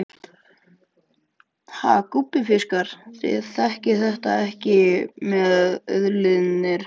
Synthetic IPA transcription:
ha̰kupːɪfɪskaɾ̥θɪ̰ðθɛhcɪθɛht̪aɛhcɪmɛðœ̰ðlɪðnɪɾ̥

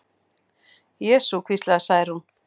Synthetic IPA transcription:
jɛːsukʰvislasajɾhun

